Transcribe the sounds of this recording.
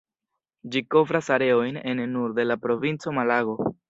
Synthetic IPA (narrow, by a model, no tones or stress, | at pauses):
d͡ʒiko̞vɾasaɾe̞o̞jne̞nːuɾd̪e̞lapɾo̞vint͡so̞malaɡo̞